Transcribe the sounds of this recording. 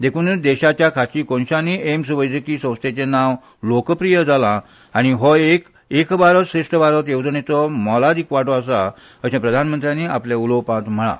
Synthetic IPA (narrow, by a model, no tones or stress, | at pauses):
d̪ekʰuːnd̪ɛɕat͡ɕjakʰat͡ɕiːkɔnɕaniemsubəjd͡zəkiːsə̃w̃st̪et͡ɕenaʋ | lokəpɾijəd͡zalã | aɽ̃iɦɔek | ekbaɾəsɾeʂʈəbaɾət̪jewt̪ənet͡s̪ɔmɔlad̪ikʋaʈʰɔəsa | əɕãpɾəd̪ʱanmənt̪ɾijãnːiaplaulowpãt̪m̤əɭa̰